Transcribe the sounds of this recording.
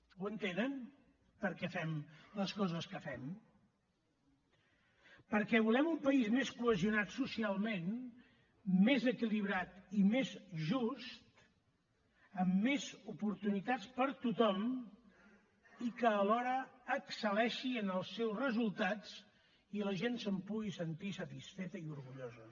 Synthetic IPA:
wənt̪enən | pəɾkɛfɛmləskɔzəskəfɛm | pəɾkɛβulɛmumpəizmeskuəziunat̪susialˠmen | mezəkiliβ̞ɾat̪imezʒust̪ | əmːezupuɾt̪unit̪at͡spəɾt̪ut̪ɔm | ikəːlɔɾəːksəlɛʃiənəlˠsːɛwzrəzulˠt̪at͡s | iləʒensəmpuɣisənt̪isət̪isfet̪əiuɾɣuʎozə

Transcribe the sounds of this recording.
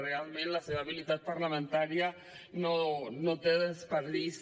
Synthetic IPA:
realmẽnlaseβaβilit̪at̪̚paɾlamẽnt̪aɾja | nonot̪eðespeɾðis

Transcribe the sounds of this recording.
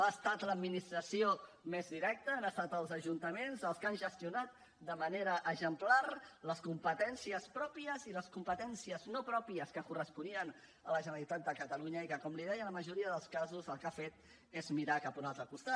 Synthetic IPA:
aːst̪at̪ləːd̪minist̪ɾəsio | mezðiɾɛk̚t̪əːnəst̪at̪əlˠzəʒunt̪əmenzəlˠskanʒəst̪iunat̪̚ | d̪əməneɾəʔəʒəmplarləskumpət̪ɛnsiəspɾɔpiəziləskumpət̪ɛnsiəznopɾɔpiəskəkurəspuniən | ələʒənəlit̪at̪̚d̪əkət̪əluɲəikəkɔmliðɛjələməʒuɾiəðəlˠskazuzəlˠkafet̪̚ | ezmiɾakapuɾalˠzðəkust̪at̪

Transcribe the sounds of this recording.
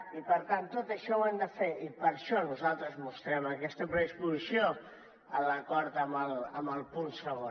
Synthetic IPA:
ipəɾt̪ant̪ːot̪əʃɔwɛnd̪əfeipəɾʃɔnuzalˠt̪ɾəzmust̪ɾɛməkɛst̪əpɾəðispuzisio | ələkɔɾt̪əmələməlˠpunsəβo

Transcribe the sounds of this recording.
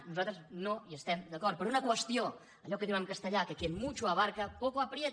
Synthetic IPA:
nuzat̪ɾəznojəst̪ɛmd̪əkɔɾt̪pəɾunəkwəst̪io | ɐʎɔkəðiwamkəst̪əʎakəkemut͡ʃuaβaɾkəpɔkoapɾjet̪

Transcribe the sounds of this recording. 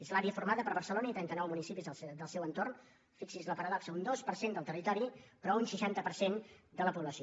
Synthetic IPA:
ezlaɾiəfurmaðəpəɾβərsəlonəit̪ɾɛnt̪ənɔwmunisipizəsd̪əlˠsɛwənt̪orn | fiksizləpəɾaðaksəund̪ospəɾsend̪əlˠt̪ərit̪ɔɾipɾɔunʃəʃant̪əpəɾsend̪ələpuβləsio

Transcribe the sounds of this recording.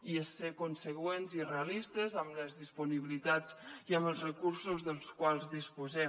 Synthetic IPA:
iesekunsəɣwenzireəlist̪əzəmləzðispuniβilit̪at͡siəməlˠzrəkuɾsuzðəlˠskwalˠzðispuzɛ

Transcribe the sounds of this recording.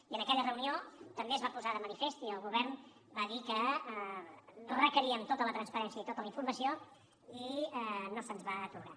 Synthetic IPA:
iənəkɛʎərəuniot̪əmbeəzβapuzaðəmənifest̪iəlˠɣuβ̞ɛɾn | baðikə | rəkəɾiəmt̪ot̪ələt̪ɾənspəɾɛnsiəit̪ot̪ələiɱfurməsio | inosənzβat̪uɣa

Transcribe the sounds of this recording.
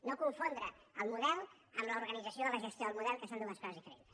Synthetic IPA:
nokuɱfond̪ɾəəlˠmuðɛlˠ | əmləuɾɣənid͡zəsioələʒəst̪joðəlmuðɛlˠkəsond̪unəskɔzəzðifəɾḛn

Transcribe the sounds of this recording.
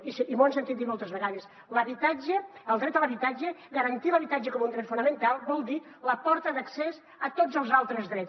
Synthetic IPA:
isʔimonsənt̪it̪̚it̪mɔlˠt̪əzβəɣaðəs | ləβit̪ad͡ʒəəlˠd̪ɾɛt̪ələβit̪ad͡ʒəɣəɾənt̪iləβit̪ad͡ʒəkɔmund̪ɾɛt̪funəmənt̪alˠβɔlˠd̪i | ləpɔɾt̪əðəkses | ət̪od͡zəlˠzalˠt̪ɾəzðɾɛ

